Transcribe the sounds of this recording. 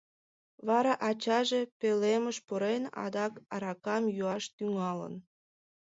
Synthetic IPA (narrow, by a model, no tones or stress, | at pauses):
βɑɾɑʔɑt͡ɕɑʒe̽peleməʃpoɾenɑ̰d̪ɑkɑɾɑkɑmjuɑʃt̪yŋɑlə̰n